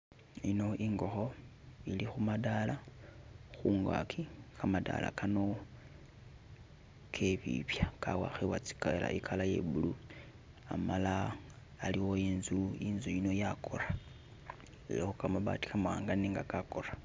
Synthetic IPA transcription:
ino̞ʔiŋɡo̞xo̞ | ilixumadala | xuŋɡa̰kʰikamada̰la̰kano̞ | kʰe̞βḭpjakawa̰xewat͡si̥kela̰ʔikʰalaje̞̰βulu | amalaː | liwoiːnzuiːnzujino̞jakʰora | iloxukamaβa̰ti̥kamawaːŋɡaniːŋɡakakora

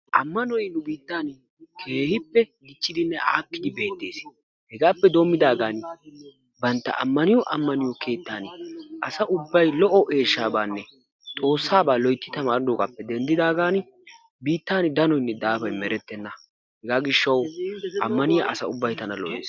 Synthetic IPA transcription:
ʔɐmːɐnɔjnʊbiːt̪ːaːn | kʰe̞ːhɪpːɛɡɪt͡ʃːɪd̪ɪnːɛʔa̰ːkːɪd̪ɪbe̞ːt̪ːe̞ːs | hɛɡaːpːɛd̪o̞ːmːɪd̪aːɡaːn | bɐnt̪ːɐ̰ʔɐ̰mːɐnɪjɔʔɐmːɐnɪjɔkʰe̞ːt̪ːaːnʔɐsɐʔʊbːɐjlɔʔɔʔe̞ːʃːaːbaːnːɛ | t̪ʼo̞ːsːaːbaːlɔjt̪ːɪt̪ɐmaːɾɪd̪oːkʼɐpːɛd̪ɛnd̪ɪd̪aːɡaːn | biːt̪ːaːnd̪ɐnɔjnːɛd̪aːfɐjmɛɾɛt̪ːɛnːɐ | hɛɡaːɡɪʃːɐwɐmːɐnɪjɐʔɐsɐʊbːɐjt̪ɐnɐlɔ̰ʔḛːs

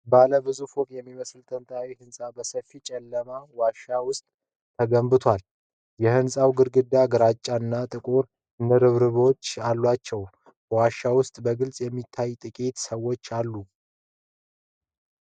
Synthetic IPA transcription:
baləbɨzufwɔkʼjɛmːiməsɨlt̪ʰənt̪ʼʰawihɨnsʼabəsəfːit͡ʃʼɛlːəmawaʃːawʊst̪ʼ | t̪ʰːəɡəmbɨt̪ʰwal | jɛhɨnsʼawɡɨɾɡɨd̪ːaɡəɾat͡ʃʼːanːat̪ʼɨkʼoɾ | ɨnəɾɨβɾɨβo̞t͡ʃːalːwat͡ʃːɛw | waʃːawʊst̪ʼbəɡɨlsʼjɛmːit̪ʰːajt̪ʼɨkʼit̪səwːo̞t͡ʃːalːu

